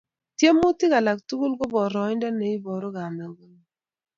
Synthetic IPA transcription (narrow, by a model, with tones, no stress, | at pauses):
tje˦mːu˦tɪ˦ka˨la˨ktu˦ɡu˦lɡo˦bɔ˨ɾɔ˨˦ɪ˦nda˦ne˨i˦bɔ˨ɾo˦ɡa˨ma˨ɡo˦ŋ˨